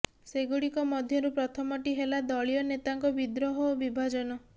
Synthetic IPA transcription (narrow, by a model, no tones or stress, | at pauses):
seɡuɽikɔmɔd̪ʱjɔɾupɾɔt̪ʰɔmɔʈiɦelad̪ɔɭijɔnet̪aŋkɔbid̪ɾɔɦɔobibʱad͡ʒɔnɔ